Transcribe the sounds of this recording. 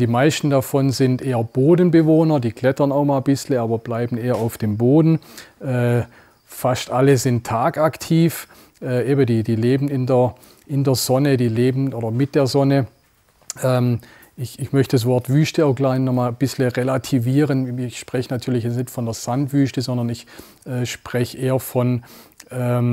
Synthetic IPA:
d̥iːmaɪstn̩dafɔnzɪntʔeːɐboːdn̩bəvoːnɐdiːklɛtɐnaʊxmaːlbɪsləaːbɐb̥laɪbn̩eːɐaʊfd̥eːmboːdn̩ʔɛː | fastʔaləzɪntʰːaːkaktʰiːf | ʔɛːʔeːbədiːdiːleːbn̩ɪndeɐ | ʔɪndeːɐz̥ɔnədiːleːbn̩ʔoːdɐmɪt̚d̥eːɐzɔnə | ʔɛːm | ʔɪçɪçmœçtəd̥as̬v̥ɔɐtv̥yːstəɛɐɐɡlaɪnnːɔχmaːlb̥ɪsləʁelatʰiviːʁənɪçʃpʁ̥ɛçənatʰyːɐlɪçjɛt͡snɪçtfɔndeːɐz̥antv̥yːstəzɔndɐnɪç | ʔɛːʃpʁ̥ɛçəʔeːɐfɔnʔɛːm

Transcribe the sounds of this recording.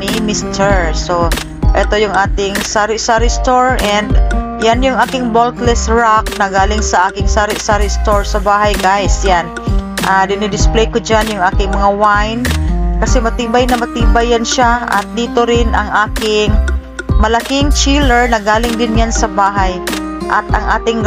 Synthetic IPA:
nɪmɪst̪ʰɛɹso | ʔɛt̪o̞jʊŋʔaːt̪ɪŋsaɾɪʔsaɾɪst̪oɹʔɛnd̪ | janjʊŋʔaːkɪŋbolk̪lɛsɹak̚nɐɡaːlɪŋsɐʔaːkɪŋsaɾɪʔsaɾɪst̪oɹsɐbaːɦajɡajsjanʔad̪ɪnɪd̪ɪsplɛjkod͡ʒanjʊŋʔaːkɪŋmɐŋawajnkɐsɛmɐt̪iːbajnɐmɐt̪iːbajːanʃaʔɐ̰t̪̚d̪iːt̪oɾɪnʔɐŋʔaːkɪŋ | mɐlɐkɪŋt͡ʃiːlɛɹnɐɡaːlɪŋd̪ɪnjansɐbaːɦaj | ʔɐt̪ʔɐ̰ŋʔaːt̪ɪŋ

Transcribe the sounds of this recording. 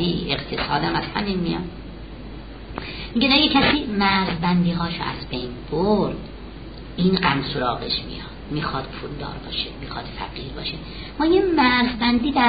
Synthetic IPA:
iːʔeqt̪ʰesɒːd̪æmæz̥hæminmijɒ̰n | miɡed̪æjecʰæsiːmæɾzbænd̪iːɦɒːʃo̰æ̰zbejnboɾd̪̥ | iːnɢæmsoɾɒːɣeʃmḭjɒd̪̥miːxɒːd̪̥pʰuːld̪ɒ̰ːɾbɒːʃemiːxɒːd̪̥fæ̰ɡiːɾbɒ̰ːʃe | mɒːjemæɾzbænd̪iːd̪æ

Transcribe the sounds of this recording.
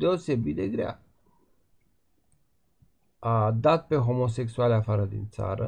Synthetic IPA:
d̪e̞o̞se̞bit̪d̪e̞ɡɾea̰ | ad̪at̪̚pe̞ɦo̞mo̞s̬e̞ksualeafaɾəd̪ḭnt̪sa̰ɾə

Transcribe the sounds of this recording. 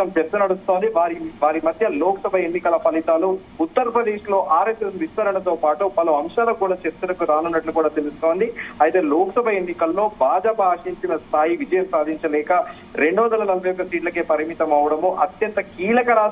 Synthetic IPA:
ɐmt͡ʃeɾt͡ʃɐnɐɽust̪o̞ːnd̪iʋaːɾiʋaːɾimɐd̪ʱjɐloːkɐsɐbʱɐe̞nːikɐlɐpɐlit̪aːlu | ut̪ːɐɾɐpɾɐd̪e̞ːʂlo̞ːʔaːɾesɐsʋist̪ɐɾɐnɐt̪oːpaːʈupɐlɐɐmʂaːlɐkuːɽaːt͡ʃeɾt͡ʃɐnɐkuɾaːnɐnːɐʈlukuːɽaːt̪e̞lust̪o̞ːnd̪iɐjt̪e̞ːloːkɐsɐbʱɐe̞nːikɐlːo̞ːbʱaːd͡ʒaːpɐaːʂiɲt͡ʃinɐst̪ʰaːjiʋid͡ʒɐjɐmsaːd̪ʱiɲt͡ʃɐlɛːkɐ | ɾe̞ɳɖuʋɐnd̪ɐlɐnɐlɐbʱɐjɔkːɐsiːʈlɐke̞ːpɐɾimit̪ɐmɐʋɐɽɐmuʔɐt̪jɐnt̪ɐkiːlɐkɐɾaː

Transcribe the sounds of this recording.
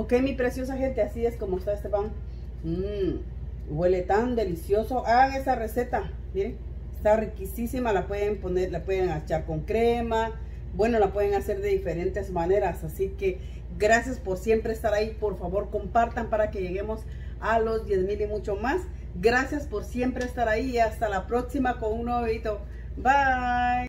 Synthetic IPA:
okemipɾesjos̬axent̪easieskomoest̪aest̪epaŋ̩ | bwelet̪and̪e̞lisjosoʔaɣaŋesareset̪a | miɾe | est̪arikisisimalapweðemponeɾlapweðeŋat͡ʃaɾkoŋkɾema | bwe̞no̞lapwe̞ðeŋase̞ɾðe̞ðifeɾent̪ezmaneɾasasike | ɡɾasjaspoɾsje̞mpɾeeːst̪aɾaipoɾfaβo̞ɾko̞mpaɾt̪ampaɾakeʝe̞ɣemos | alo̞zd̪je̞zmilimut͡ʃomas | ɡɾasjaspoɾsje̞mpɾeːst̪aɾaiast̪alapɾoksimakonuŋnoβit̪o | baj

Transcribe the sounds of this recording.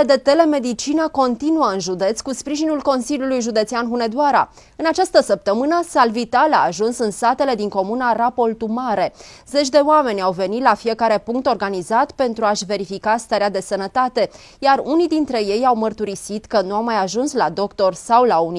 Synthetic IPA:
d̪e̞t̪e̞le̞me̞d̪it͡ʃinəko̞nt̪inuəɨnʒud̪e̞t̪sʲkuspɾiʒinulko̞nsiljulujʒud̪e̞t̪sianɦune̞d̪uaɾa̰ | ɨnat͡ʃast̪əsəp̚t̪əmɨnəsalvit̪alaːʒunsɨnsat̪e̞le̞d̪iŋko̞munarapo̞lt̪umaɾe̞ze̞t͡ʃʲd̪e̞oame̞nʲawve̞nit̪lafije̞kaɾe̞puŋk̚t̪o̞rɡanizat̪pe̞nt̪ɾuaʃve̞ɾifikast̪aɾead̪e̞sənət̪at̪e̞ | jarunijd̪int̪ɾe̞je̞jawmərt̪uɾisit̪kənuawmajaʒunslad̪o̞kt̪o̞rsawlauni

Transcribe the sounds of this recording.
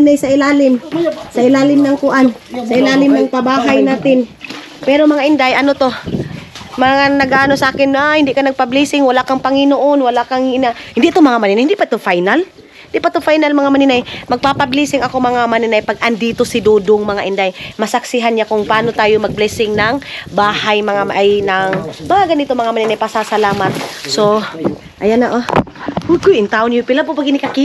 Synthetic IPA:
najsɐʔɪlaːlɪmsɐʔɪlaːlɪmnɐŋkʊʔansɐʔɪlaːlɪmnɐŋt̪ɐbaːɦajnaːt̪ɪn | pɛːɾomɐŋaʔɪnd̪ajʔɐnot̪o̞ | mɐŋanɐɡaʔaːno̞sɐʔaːkɪnaahɪnd̪ɪkanɐɡ̚pɐbliːsɪŋwɐlakɐŋpɐŋɪnoʔonwɐlakaŋɪnahɪnd̪iʔːt̪omɐŋamɐnɪnajɪnd̪iʔpaʔɪt̪ofajnal | hɪd̪iʔpaʔt̪ofajnalmɐŋamɐnɪnajmɐɡ̚papɐblisɪŋɐkomɐŋamɐninajpaɡʔɐnd̪iːt̪o̞sɪd̪oːd̪oŋmɐŋaʔɪnd̪ajmɐsɐksɪɦanɲakʊŋpaʔaːnot̪aːjomɐɡ̚blɛsɪŋnɐŋbaːhajmɐŋamʔajnɐŋmɐŋaɡɐnit̪omɐŋamaɐninajpasasɐlaːmat̪̚so | ʔajanaʔo | ʊkʊjɪnt̪awnjupɪlapopaɡɪnɪkaki

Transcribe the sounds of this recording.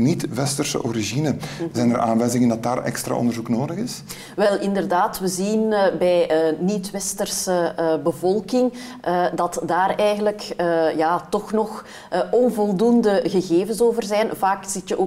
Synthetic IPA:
nitʋɛstərsə̰ʔoɾiʒinəzɛjnəɾʔaːnʋɛjzɪŋəndɑt̚daːrɛ̰kstɾa̰ʔɔ̰nd̪ərzuknoːdəɣɪs | ʋɛlˠɪndərdaːtʋəzinbɛjənitʋɛstərsəbəvɔlˠkɪŋ | ʔədɑtdaːɾɛjɣənləkəjaːtɔxnɔx | ɔnvɔlˠdundəɣəɣeːvənsoːvərzɛnvaːkz̥ɪtjəʔoː

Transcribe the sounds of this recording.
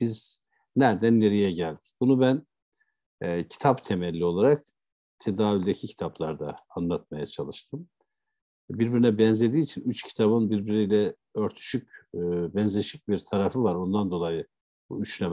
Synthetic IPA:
b̥iz̥ | næɾd̪ænːe̞ɾijɛɟælʲd̪i̥cbunubæn | cʰi̥t̪ʰapt̪ʰe̞mɛlʲːio̞lˠaɾak̚ | t̪ʰe̞d̪aːvylʲd̪ecʰicʰi̥t̪ʰaplˠaɾd̪aːnlˠat̪̚majat͡ʃʰalˠɯʃt̪ʰɯm | biɾbiɾinɛbɛnzʲe̞d̪iːt͡ʃʰinyt͡ʃcʰi̥t̪ʰaβɯnbiɾbiɾijlʲɛ | ø̞ɾt̪ʰy̥ʃycːbɛnzlʲeʃic̚biɾt̪ʰaɾafɯvaɾo̞nd̪and̪o̞lˠajɯ | bṵyt͡ʃlʲɛm

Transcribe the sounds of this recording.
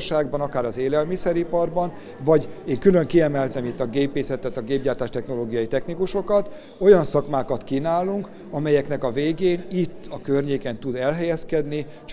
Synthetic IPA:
ʃaːɡbɒnɒkaːɾɒzeːlɛlmisɛɾipɒrbɒn | vɒɟeːŋkylø̞ŋkiɛmɛlt̪ɛmit̪ːɒɡeːpeːsɛt̪ɛt̪ɒɡeːbɟaːrt̪aːʃt̪ɛxno̞loːɡijɒjit̪ɛxnikuʃo̞kɒt̪ | o̞jɒnsɒkmaːkɒt̪kinaːlːuŋk | ɒmɛjɛknɛkɒveːɡeːnit̪ːɒkørɲeːkɛnt̪ud̪ɛlɦɛjɛskɛd̪ni | t͡ʃ

